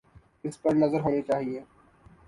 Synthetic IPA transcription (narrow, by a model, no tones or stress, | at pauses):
ɪspɐɾnɐzəɾɦoːnit͡ʃaːɦieː